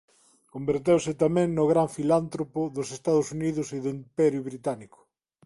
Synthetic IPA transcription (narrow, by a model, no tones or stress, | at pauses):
kombeɾt̪ewsɪt̪amɛ̃ŋnʊɣɾaɱfilant̪ɾopʊðʊsest̪aðʊsuniðʊsiðoimpɛɾjʊβɾit̪anikʊ̥